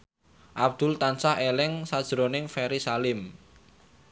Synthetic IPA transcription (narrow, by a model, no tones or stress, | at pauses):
ʔab̚d̪̥ʊ̤lt̪ansahelɪŋsad̥ʒ̥əɾonɪŋfɛɾisalɪm